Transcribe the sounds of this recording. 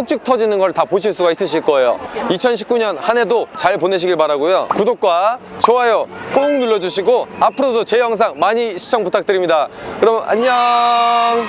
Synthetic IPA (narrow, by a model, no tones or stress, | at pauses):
sʰok̚t͡ɕ͈ik̚tʰʌd͡ʑinɯnɡʌɭtapoɕ̬ʰiɭs͈uɡais͈ɯɕ̬ʰiɭk͈ʌe̞jo̰it͡ɕʰʌnɕʰi̥p̚k͈uɲʌnhane̞dot͡ɕaɭpone̞ɕ̬ʰiɡiɭbaɾaɡojokudok̚k͈wat͡ɕoajok͈oŋnuɭːʌd͡ʑuɕʰiɡoapʰɯɾodot͡ɕe̞jʌŋs̬ʰaŋmaɲiɕʰi̥t͡ɕʰʌŋputʰak̚t͈ɯɾimɲidakɯɾʌma̰ɲʌ | ŋ